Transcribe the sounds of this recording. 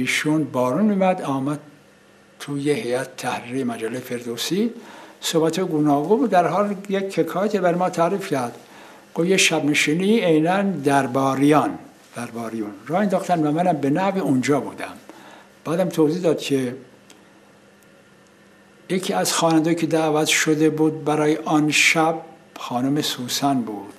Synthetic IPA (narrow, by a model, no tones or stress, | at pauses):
iːʃunbɒːɾunmiːmæd̪ɒːmæd̪̥̚ | t̪ʰujehejæt̪t̪ʰæhɾiːɣijemæd͡ʒælːejefeɾd̪oːsisobæt̪ʰɑːjeɡunɒːɡumd̪æɾɦɑːljekʰːekʰɑːjæt̪ʰibæɾemɒːt̪ʰæːɾifcʰæɾd̪ | ɡ̥ofjeʃæbneʃiːniejnænd̪æɾbɒːɾijɑn | d̪̥æɾbɒːɾijunrɒːhend̪ɒːxt̪ænvæmænæmbenæhviund͡ʒɒːbuːd̪æ̰m | b̥æːd̪æmt̪ʰoziːd̪ɒːd̪̥cʰe | jecʰiːæz̥xɒːnænd̪ɒːjicʰed̪æːvæt̪ʃod̪ebuːd̪̚bæɾɒːjeʔɒnʃæb̚ | xɑːnumesuːsænbuːd̪̥